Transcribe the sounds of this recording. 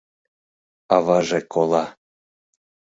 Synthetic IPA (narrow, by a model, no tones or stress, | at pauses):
ɑβɑʒekʰolˠɑ